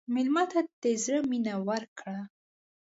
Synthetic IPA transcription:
mɪlmɑt̪ad̪ezɾəminawəɾkɽa

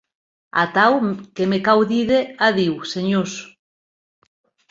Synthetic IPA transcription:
a̰t̪awkemekawðiðeaðiwseɲos

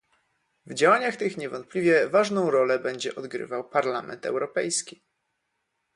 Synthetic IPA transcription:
vd͡ʑawaɲaxt̪ɘxɲɛvɔnt̪̚plʲivʲjɛvaʐnɔ̃w̃ɾɔlɛbɛɲd͡ʑɛʔɔd̪ɡɾɘ̰vawpaɾlamɛ̰nt̪ɛ̰wɾɔpɛjskʲi̥

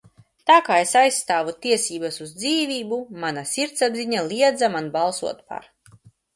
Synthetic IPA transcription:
t̪aːkaːesajsːt̪aːvut̪iɛsiːbasuzd̪ziːvʲiːbumanasʲiɾt̪sabziɲalʲˠiɛd̪zamanbalˠsuɔt̪pa̰ɾ

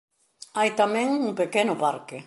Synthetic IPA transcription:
ajt̪amɛ̃ŋuŋpekenʊpaɾkɪ

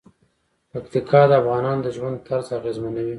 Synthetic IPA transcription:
pakt̪ikʰɑd̪əafɣɑnɑnd̪əʒwand̪̚t̪aɾzaɣezmanawi

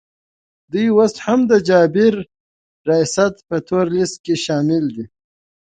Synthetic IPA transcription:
d̪ujwast̪hamd̪əd͡ʒɑːbɪɾː | ɑjsat̪pət̪ʰoːɾlist̪̚keʃaːmɪld̪i

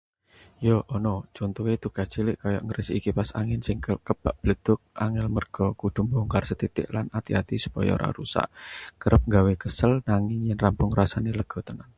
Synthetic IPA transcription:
joʔɔnɔ̥d͡ʒ̥ont̪uwet̪ukḁt͡ʃilɪʔkajɔ̰ʔŋɡəɾəsiikipasaŋɪnsɪŋkəb̥aʔb̥ləd̪̥ʊk̚a̰ŋɪlmərɡ̥ɔkud̪̥ṳmbɔŋkarsət̪it̪ɪ̰ʔlanat̪iat̪isu̥pɔjɔ̰ɾʔa̰ɾusa̰ʔkəɾʔəp̚ŋɡawekəsəlnaŋɪŋjɛnrampʊŋrasaneləɡ̥ɔ̤t̪ənan

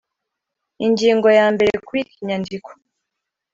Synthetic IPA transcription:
iɲɟiːŋɡo̞jaːmbe̞ɾekuwikiɲandikʰo̥

